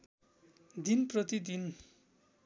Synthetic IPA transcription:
d̪inprʌt̪id̪in

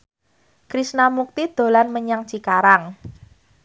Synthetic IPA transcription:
kɾisnamuk̚t̪id̪̥o̤lanməɲaŋ̥t͡ʃikaɾaŋ

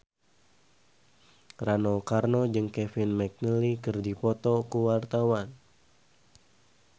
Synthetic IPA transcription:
ranɔlkarnɔd͡ʒɨŋkɛfinmɛk̚nəlikɨrdipɔt̪ɔkuwart̪awan

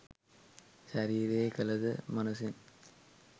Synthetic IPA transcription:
ɕɐɾiːɾekɐlɐðɨmɐnusin

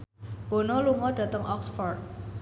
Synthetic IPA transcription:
b̥o̤nɔluŋɔɖ̥ä̤t̪əŋʔɔksfɔrt̪̚

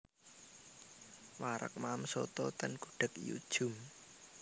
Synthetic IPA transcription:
maɾə̰k̚mamsot̪ɔt̪ənkuɖ̥ə̤kijṵd̥ʒ̥ʊ̤m

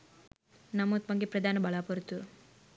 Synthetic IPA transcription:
nɐmuːt̪mɐŋɡipɾɐd̪ʱaːnɐbɐɭaːpɐɾut̪ːu

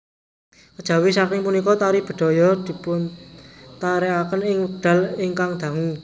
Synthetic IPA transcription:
kəd̥ʒ̥ä̤wisakɪŋpunikɔt̪aɾihb̥ə̤ɖ̪̥ɔ̤jɔd̪̥i̤pʊnt̪aɾɛakənɪŋuɖ̪̥a̤lɪŋkaŋd̪̥ä̤ŋu

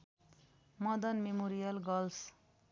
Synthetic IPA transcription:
mʌd̪ʌnmemoɾijʌlɡʌls

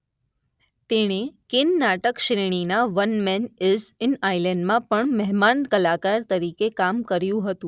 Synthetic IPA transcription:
t̪eɽ̃ekɪnːaʈəkʃɾiɳ̃inaʋənmɛnesɪnailɛɳɖmãpəɳmɛɦmankəlakaɾt̪əɾikekamkəɾjũɦət̪ũ

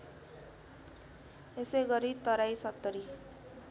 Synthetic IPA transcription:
eseɡʌɾit̪ʌɾajsʌt̪ːʌɾi

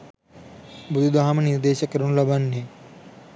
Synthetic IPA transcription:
bud̪ʱud̪aɦamɐniɾd̪eːʃɐkɐɾuɳulɐbɐnːe

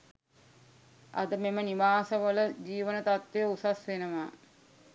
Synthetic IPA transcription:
a̰d̪əmeməniʋaːsəʋələd͡ʑiːʋənət̪at̪ʋejəusasʋenəʋaː

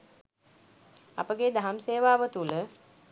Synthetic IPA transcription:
a̰pəɡed̪aɦamseːʋaːʋət̪ulə

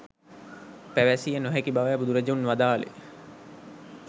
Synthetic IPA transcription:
pæʋæsijənoɦækibaʋajæbud̪uɾed͡ʒeunʋad̪aːlḛ

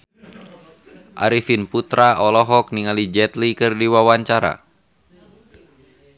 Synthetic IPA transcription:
ʔa̰ɾifinput̪ɾaɔlɔɦɔk̚niŋalid͡ʒɛt̪likɨrdiwawaɲt͡ʃaɾa̰

